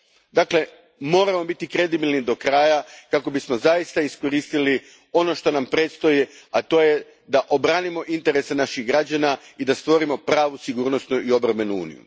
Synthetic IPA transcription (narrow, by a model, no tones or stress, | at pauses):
d̪akle̞ | mo̞ːɾamo̞bit̪ikɾe̞d̪ibilnid̪o̞kɾaːjakako̞bismo̞zajist̪aisko̞ɾist̪ili | o̞no̞ʃt̪o̞nampɾet̪st̪o̞jiat̪o̞ːje | d̪aʔo̞bɾaːnimo̞ʔint̪e̞ɾese̞naʃiɣɡɾad͡ʑanaid̪ast̪ʋo̞ɾimo̞pɾaːʋusiɡuːɾno̞st̪nuio̞bɾome̞nuṵːnḭjṵ